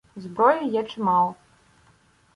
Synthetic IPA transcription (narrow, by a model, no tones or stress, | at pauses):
zbɾɔjujɛt͡ʂɨmaw̪ˠ